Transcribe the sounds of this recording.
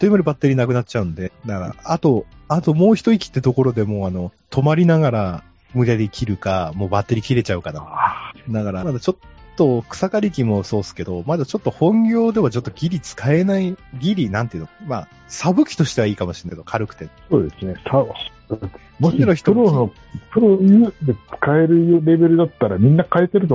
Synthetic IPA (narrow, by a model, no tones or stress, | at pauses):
t̪oimaɾʲibat̪ːe̞ɾʲinak̬ɯ̟nat͡ɕ̚ːt͡ɕaɯ̟̃nod̪e̞d̪akaɾa̰at̪o̞ | at̪o̞mo̞ːçi̥t̪o̞ikʲi̥t̪ːet̪o̞ko̞ɾo̞d̪e̞mo̞ːano̞t̪ʰo̞maɾʲinaɡaɾa | mɯ̟ɾʲad̪e̞kʲʰiɾɯ̟kamo̞ːbat̪ːe̞ɾʲikʲiɾe̞t͡ɕaɯ̟kanad̪akaɾamad̪at͡ɕo̞t̪ːo̞kɯ̥sakaɾʲikʲimo̞so̞ːsɨ̥ke̞d̪o̞mad̪at͡ɕo̞t̪ːo̞hõ̞ŋɡʲo̞ːd̪e̞βat͡ɕo̞t̪ːo̞ɡʲiɾʲit͡sɨ̥kae̞naiɡʲiɾʲinãnt̪eɯ̟nokma̰ | sabɯ̟kʲi̥t̪o̞ɕi̥t̪e̞βaiːkamoɕiɾenakeokʰaɾɯ̟kɯ̟̥t̪e̞soːd̪e̞sɨnesa | mot͡ɕiɾoçi̥t̪oɯɾono | pʰɯ̟ɾojɯd̪e̞t͡sɨ̥kae̞ɾɯ̟joɾe̞be̞ɾɯ̟d̪at̪ːaɾamʲĩnːakaet̪e̞ɾɯ̟t̪o